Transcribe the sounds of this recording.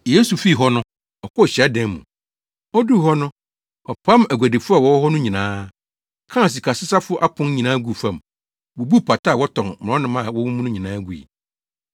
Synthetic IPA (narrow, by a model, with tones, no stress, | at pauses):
je˦su˨fi˦˨ɦɔ˦nʊ̃˦ | ɔ˨kʰɔ˦˨ɕa˦dɛ̃˨nmṵ̃˨ | ɔ˦du˦˨ɦɔ˦nʊ̃˦ | ɔ˨pʰã˦mæ˨ɡʷæ˨de˨fʊ˦a˨wɔ˦wɔ˦ɦɔ˦nʊ̃˦ɲĩ˨nãː˦ | kʰã˦˨s̬i˨kʰa˨sɪ˦sa˦fʊ˦ʔa˦pʰʊ̃˦n˦ɲĩ˨nãː˦ɡu˦˨fã˦˨m | wo˨bu˦˨pʰa˨tʰa˦˨wɔ˦tʰɔ̃˨nm̃˨ɔ̃˦nɪ̃˦mã˦˨wɔ˦wũ˦m̃˦nʊ̃˦ɲĩ˨nãː˦ɡu˨ḭ˨